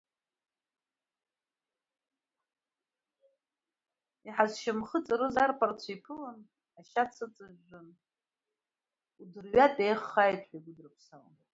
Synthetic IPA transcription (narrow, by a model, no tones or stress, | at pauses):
iħazʃamχət͡sʼaɾɨzarpʰart͡sʷʰaipʰɨlan | aʃat͡sʰɨt͡sʼɨʒʷːɨn | udɨrɥatʼejχːajtʰʼħʷᶣaɡʷʊdɨrpʰsawa̰n